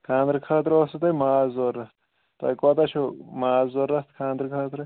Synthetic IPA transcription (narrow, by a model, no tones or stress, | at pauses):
kʰãːnd̪ɾkʰaːt̪ɾoːsut̪ɐmaːzzorːɐs | t̪ɐ̰kot̪ɐt͡ʃʰomaːzzoɾːɐst̪kʰãːnd̪ɾkʰaːt̪ɾɐ